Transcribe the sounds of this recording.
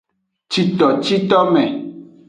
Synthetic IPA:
t͡ʃi˨t̪ɔ˨t͡ʃi˦t̪ɔ˦mɛ̃˨

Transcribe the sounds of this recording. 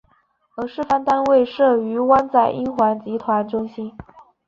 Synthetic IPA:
ə˧˥ʂɻ̩˥˩fa˥nt̪a˥nwe˥˩ɪʂɤ˥˩y˧˥wa˥nt͡sa˥˩ɪʔi˥nxwa˧˥nt͡ɕi˧˥t̪ʰwa˧˥nʈ͡ʂʊ˥ŋɕi˥n

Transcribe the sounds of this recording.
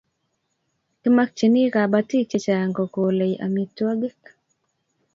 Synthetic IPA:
ki˦ma˦k̚t͡ʃi˨ni˦ka˨ba˦ti˦t͡ʃe˦t͡ʃa˨ja˨ŋɡɔ˨ko˨le˨jʔa̰˨mi˨twa˦ɡɪ˦k

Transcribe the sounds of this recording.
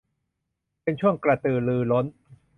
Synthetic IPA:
pe˧nt͡ɕʰu˥˩əŋkɾa˨˧t̪ɯː˨˩lɯː˧lo˦˥n

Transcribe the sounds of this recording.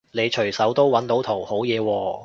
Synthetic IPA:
ne˨˧jt͡ʃʰɵ˨˩ɥsɐ˨˥wt̪o˥wwɐ˨˥nt̪o˨˥wt̪ʰo˨˩who˨˥wjɛː˨˧wɔː˧

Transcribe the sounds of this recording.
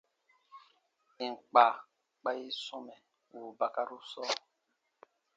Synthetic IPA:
i˨ŋ˨k͡pa˨ | k͡pa˦ji˦sɔ˦mɛ˨ | wu˨ba˨ka˦ɾu˦sɔ˦

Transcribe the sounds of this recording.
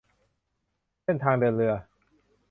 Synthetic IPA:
se˥˩nt̪ʰaː˧ŋdɯ˧ənɾɯ˧ɐ

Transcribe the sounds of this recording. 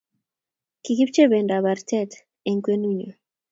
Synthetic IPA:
ki˨ki˦p̚t͡ʃe˦be˨nda˨βa˨rtɛ˦t | e˨ŋkwe˦nu˦ɲo˨

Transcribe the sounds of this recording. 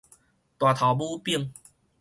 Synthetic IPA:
t̪wa˨˩t̪ʰa˨˩bu˥˦pi˥˧˨ŋ

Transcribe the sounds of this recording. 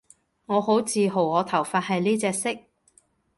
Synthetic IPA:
ŋɔː˨˧ho˨˥wt͡sʰiː˨˧ɦo˨˩wŋɔː˨˧t̪ʰɐ˨˩wfaː˧t̚hɐ˨jniː˥t͡sɛː˧sɪ˥k̚

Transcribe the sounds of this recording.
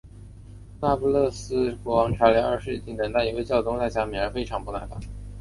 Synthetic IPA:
na˥˩pu˥lɤ˥˩sɹ̩˥kwɔ˧˥wɑ˧˥ŋʈ͡ʂʰa˧˥li˧˥ə˞˥˧ʂɻ̩˥˩i˥t̪ʰi˧˥t̪ə˨˩ŋt̪ʰa˥˩i˨˩we˥˧ɪt͡ɕjɑ˥˩ʊt̪ʊ˥ŋt͡s̪a˥˩ɪt͡ɕja˧˥mjɛ˨˩nə˞˧˥fe˥ɪʈ͡ʂʰɑ˧˥ŋpu˥˧na̰˧˥˩ɪfa̰˥˩˦ŋ

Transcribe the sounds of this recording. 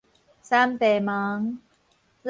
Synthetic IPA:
sa˦˥mt̪ɛː˨˩ma˨˦ŋ | l

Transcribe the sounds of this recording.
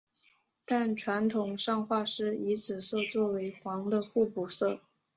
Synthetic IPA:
t̪a˥˩nʈ͡ʂʰwa˧˥nt̪ʰʊ˨˩ŋʂɑ˥˧ŋxwa˥˩ʂɻ̩˥i˧˥t͡sʰɹ̩˨˩sɤ˥˧t͡swɔ˥˩we˧˥ɪxwɑ˧˥ŋd̪ə˧xu˥˩pu˨˩sɤ˥˩

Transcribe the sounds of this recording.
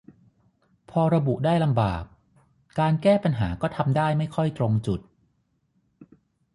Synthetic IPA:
pʰɔː˧ɾa˧bu˨˩ʔdaː˥˩jla˧mba̰ː˨˩k̚ː | aː˧nkɛː˥˩pa˧nɦa̰ː˩˦kɔː˥˩t̪ʰa˧mdaː˥˩jma˥˩jkʰɔ˥˩jt̪ɾo˧ŋt͡ɕu˨˩t̪̚

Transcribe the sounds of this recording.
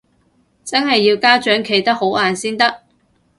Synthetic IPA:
t͡sɐ˥nɦɐ˨jːiː˧wkaː˥t͡ʃœː˨˥ŋkʰe˨˩jt̪ɐ˥k̚ho˨˥wʔaː˨nsiː˥nt̪ɐ˥k̚

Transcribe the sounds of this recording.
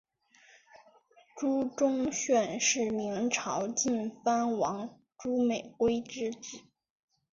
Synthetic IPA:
ʈ͡ʂu˥ʈ͡ʂʊ˥ŋɕɥɛ˥˧nʂɻ̩˥˩mi˧˥ŋʈ͡ʂʰɑ˧˥ʊt͡ɕi˥˩nfa˥nwɑ˧˥ŋ | ʈ͡ʂu˥me˨˩ɪkwe˥ɪʈ͡ʂɻ̩˥t͡sɹ̩˨˩˦

